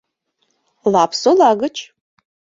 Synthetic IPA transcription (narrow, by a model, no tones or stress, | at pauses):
laːpʰsolaːɡɐt͡ʃʰʼ